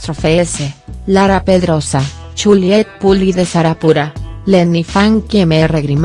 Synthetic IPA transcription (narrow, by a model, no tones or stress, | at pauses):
t̪ɾofeeselaɾapeðɾosa | t͡ʃuljet̪̚puliðesaɾapuɾalenifaŋkemereɣɾim